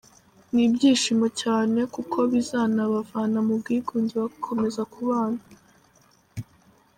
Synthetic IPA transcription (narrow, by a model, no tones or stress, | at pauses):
nibɟiːʃimo̞caːne̞kukʰo̞βizaːnaβavaːnamub̚ɡiːɡuːɲɟiβakʰo̞me̞zakʰuβaːna